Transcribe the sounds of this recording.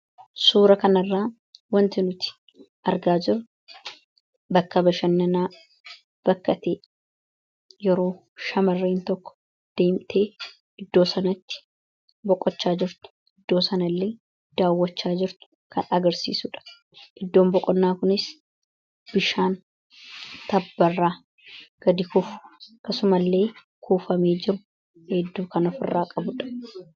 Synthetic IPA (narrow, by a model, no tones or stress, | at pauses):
suːɾɐkɐnɐrːaː | wɐnt̪ɪnʊt̪ɪ̥ | ʔɐɾɡaːd͡ʒɪɾ | bɐkːɐbɐʃɐnːɐnaː | b̥ɐkːɐt̪eː | jɛɾo̞ː | ʃɐmɐrːeːnt̪ɔkːɔ̥ | d̪̥e̞ːmt̪ʰeː | ʔɪd̪ːo̞ːsɐnɐt̪ːɪ̥ | bɔkʼɔt͡ʃːaːd͡ʒɪɾt̪ʊ̥ | ʔɪd̪ːo̞ːsɐnɐlːe̞ː | d̪̥aːwːɐt͡ʃːaːd͡ʒɪɾt̪ʊ̥ | kɐnɐɡɐɾsḭːsʊᶑɐ̥ | ʔɪd̪ːo̞ːmbɔkʼːɔnːaːkʊnɪs | b̥ɪʃaːn | t̪ɐbːɐrːaː | ɡ̥ɐd̪ɪkʊfʊ̥kːɐsʊmɐlːe̞ː | kʰuːfɐmeːd͡ʒɪɾʊ | hɛd̪ːuːkɐnɔfɪrːaːkʼɐbʊᶑɐ̥